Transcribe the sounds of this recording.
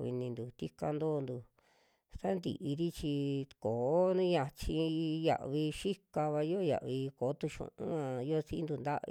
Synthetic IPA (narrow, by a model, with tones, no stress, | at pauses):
ḭ˧nĩ˧nd̪u˨t̪i˦ka˧nd̪oː˦˧nd̪u˨ | sa˦nd̪ḭ˨ʔi˧ɾi˦t͡ʃi˧ko˨o˦nũ˦jã˧t͡ʃi˧ja̰˧ʔβi˧ʃi˦ka˧βa˧jo˦˧ja̰˨ʔβi˧ko˨˦t̪u˧ʃṵ̃˨˧˨ʔṵ̃˦ã˧jo˦si˦nd̪u˧nd̪a˦ʔ